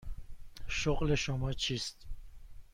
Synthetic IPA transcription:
ʃoɣleʃomɒːt͡ʃʰiːst̪

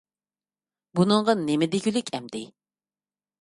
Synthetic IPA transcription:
bunɨŋʁɑnemɪd̪eɡʲylykʲʰɛmd̪ɪ

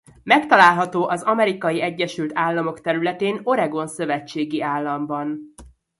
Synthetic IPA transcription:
mɛkt̪ɒlaːlɦɒt̪oːʔɒzɒmɛɾikɒjiɛɟːɛʃylt̪aːlːɒmo̞kt̪ɛɾylɛt̪eːno̞ɾɛɡo̞nsøvɛt͡ʃːeːɡiaːlːɒmbɒn

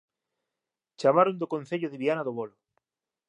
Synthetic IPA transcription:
t͡ʃamaɾond̪okon̟θeʎʊðɪβianɐðoβolʊ

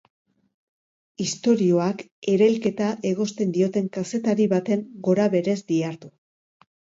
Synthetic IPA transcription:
ist̪o̞ɾio̞ak | e̞ɾe̞lke̞t̪aʔe̞ɣ̞o̞st̪e̞nd̪io̞t̪e̞ŋkase̞t̪aɾiβat̪e̞ŋɡo̞ɾaβe̞ɾe̞zd̪iaɾt̪u

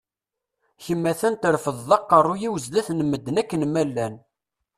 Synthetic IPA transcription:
çəmːæθænt̪ɾfəðːˤɑqːərˤːujiwəzlæθnəmːəd̪ːənækːənmælːæn

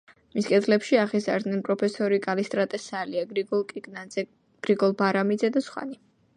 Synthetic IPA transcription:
miskʼɛd̪lɛpʃiaʁizaɾd̪nɛnpʼɾɔpʰɛsɔɾikʼalist̪ʼɾat̪ʼɛsaliaɔlˠkʼiɡʼnaɛ | ɡ̥ɾiɡɔlˠbaɾamid̪zɛd̪asχwa̰ni

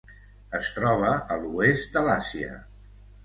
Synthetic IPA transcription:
əst̪ɾɔβ̞əəluest̪̚d̪əlasiə̰

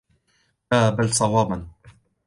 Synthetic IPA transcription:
aːbalsˤɑwɑːban

